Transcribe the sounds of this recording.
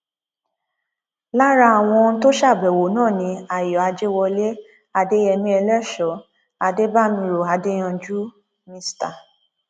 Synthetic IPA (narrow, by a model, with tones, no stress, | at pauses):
la˦ɾa˧a˨w̃ɔ̃˧ñ̩˦to˦ʃa˦˨bɛ˨wo˨nãː˦˨nĩ˧a˨jɔ˨a˧d͡ʒe˦wɔ˧le˦ | a˧de˦ɛ˧nĩ˦ɛ˧lɛ˦˨ʃɔ˨˦ | a˧de˦ba˦˨mĩ˧ɾo˨a˧de˦j̃ã˧d͡ʒu˦ | mĩ˧sta˨